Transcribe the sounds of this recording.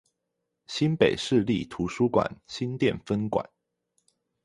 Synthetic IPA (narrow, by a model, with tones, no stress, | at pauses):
ɕi˦npe˨˩ɪʂɻ̩˥˧li˥˩t̪ʰu˧˥ʂu˥kwa̰˨˩˦nɕi˦nt̪jɛ˥˨nfə˦nkwa̰˨˦n